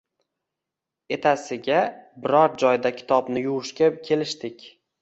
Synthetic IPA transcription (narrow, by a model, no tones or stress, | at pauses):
e̞t̪ʰasɪɡʲabɪɾɒɾd͡ʒɒjd̪akʲʰɪ̥t̪ʰɒbnɪjʊʁʊʃkʲakʲʰe̞lɪʃt̪ɪkʲ